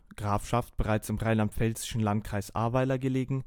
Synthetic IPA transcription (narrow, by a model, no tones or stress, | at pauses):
ɡ̥ʁaːfʃaft̚b̥əʁaɪt͡sɪmʁaɪnlamtfɛlzɪ̥ʃn̩lantkʁ̥aɪsʔa̰ɐbaɪtɐɡəleːɡŋ̩